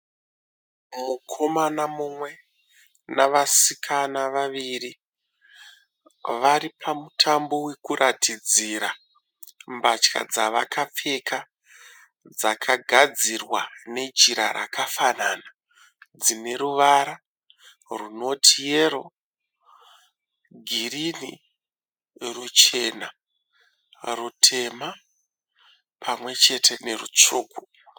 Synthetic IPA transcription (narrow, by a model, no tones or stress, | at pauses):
mukʰo̞manamumwe̞ | naʋasikʰanaʋaʋiri | ʋaɾipʰamutʰambo̞we̞kurʔatʰid͡ziɾa | mbat͡ʃka̰d͡zaʋakap͡fe̞kʰa | d͡zakʰaɡʱad͡zirwane̞d͡ʒiɾaɾa̰kʰafanana | d͡zine̞ɾuʋaɾa | runo̞tʰijeɾo | ɡʱirini | rut͡ʃe̞na | rutʰe̞ma | pʰamwe̞t͡ʃe̞tʰe̞ne̞rṵt͡ʂuːku